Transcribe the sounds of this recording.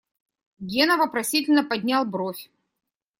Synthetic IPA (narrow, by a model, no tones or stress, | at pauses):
ɡʲenəvəpɾɐsʲitʲɪlʲnəpɐdʲnʲalˠbɾofʲ